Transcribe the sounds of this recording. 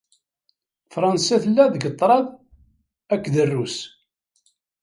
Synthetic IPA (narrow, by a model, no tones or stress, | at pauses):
fɾˤɑnsæθəlːæðɡət̪ˤːɾˤɑð | ækːðərːus